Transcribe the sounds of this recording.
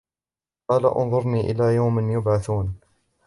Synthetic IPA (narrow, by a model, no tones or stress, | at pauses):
qɑːla̰ʔʊ̰nðˤʊɾniːʔɪ̰laːjawmɪnjʊbʕaθuːn